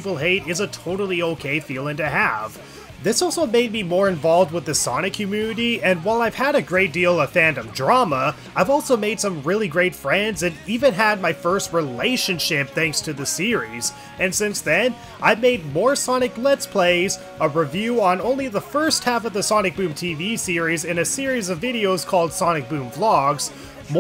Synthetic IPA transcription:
vl̩ˠɦeɪɾɪzətʰoʊɾl̩ˠioʊkʰeɪfilˠɪ̃ŋtɨhæv̥ | ðɪsɔlˠsoʊmeɪd̚mimɔɹɨ̃ɱvɑlˠvd̚wəðɨsɑñɨkʰjʉmjʉnɨɾiɨ̃nwaɪlˠaɪv̥ɨɾɨɡɹeɪt̚d̥ilˠʌv̥fæ̃ndɨ̃mdɹɑmə | aɪvɔlˠsoʊmeɪd̥sʌ̃mɹɪlˠiɡɹeɪtfɹɛ̃ndzɨ̃nivɨ̃nɨd̚maɪfɜ˞st̚ɹileɪʃɨ̃nʃɪp̚θæ̃ŋkstʰɨðɨsɪɹiz̥ | ɨ̃nsɪ̃nsðɨ̃n | ʔaɪmeɪd̚mɔɹsɑnɨk̚lɛtspʰl̥eɪz | əɹivjʉə̃nõʊ̃nliðəfɜ˞st̚hæfʌvðɨsɑnɨk̚b̥ʉ̃mtʰivisɪɹizɨ̃nɨsɪɹizʌvɪɾioʊz̥kʰɔlˠd̥sɑnɨk̚b̥ʉ̃mflɑɡz̥ | m

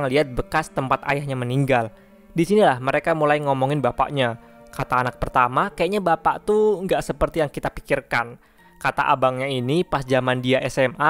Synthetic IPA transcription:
ŋliɦat̪̚bəkast̪əmpat̪a̰jahɲaməniŋɡal | disinilahməɾekamulajŋɔmɔŋɪnbapa̰ʔɲa | kat̪aːnak̚pərt̪amakajaʔɲabapaʔt̪uŋɡaʔsəpərt̪ijaŋkit̪api̥kirkan | kat̪a̰ʔa̰baŋɲainipasd͡ʒamandiaʔɛsɛma

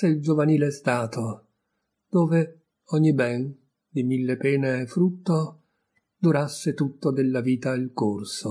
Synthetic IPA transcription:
eild͡ʒovaniːlest̪aːt̪o | d̪̥oːve | ɔɲːibɛn | d̪imilːepɛːneːfːɾut̪ːo | d̪uɾasːet̪ut̪ːod̪elːaviːt̪ailkorso

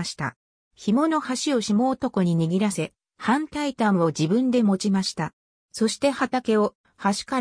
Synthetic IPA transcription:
ɕi̥t̪a̰ | çimo̞no̞haɕio̞ɕimo̞ːt̪o̞ko̞ɲ̟iɲ̟iɡʲiɾase̞ | hãnt̪ait̪ãɰ̃βo̞d͡ʑibɯ̟̃nd̪e̞mo̞t͡ɕimaɕi̥t̪a | so̞ɕi̥t̪e̞hat̪ake̞o̞ | haɕi̥ka

